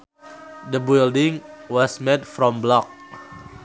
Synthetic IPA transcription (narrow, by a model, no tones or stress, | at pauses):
dəbildɪ̃ŋwɔsmetfɹɔ̃mblɔk̚